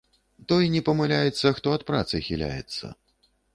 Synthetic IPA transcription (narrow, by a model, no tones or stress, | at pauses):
t̪ɔjnʲɛpɐmalʲajɛt̪sːɐxt̪ɔɐt̪̚pɾat̪sɨxʲilʲa̰jɛ̰t̪sːɐ̰